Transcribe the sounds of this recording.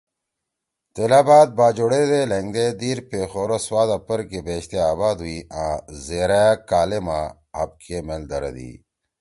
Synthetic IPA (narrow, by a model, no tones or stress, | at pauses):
t̪elaːbaːt̪̚baːd͡ʑoɽed̪eleŋɡd̪ed̪iːɾpeːxoːɾoswaːd̪ɐpəɾkebeːɕt̪eaːbaːd̪uiãːzeːɾakaːlema | ɐb̚kʰemeld̪ɐɾɐ̰d̪ḭː